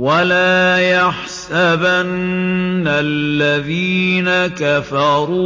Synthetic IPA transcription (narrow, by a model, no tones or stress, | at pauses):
walaːjaħsabanː | alːaðiːnakafɑɾuː